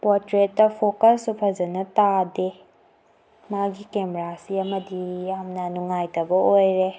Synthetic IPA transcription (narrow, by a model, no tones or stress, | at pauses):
pɔɾtɾetːɐpʰokɐlsupʰɐzɐnɐtade | maɡikemeɾasiɐmɐdijamnɐnuŋajtɐbɐojɾe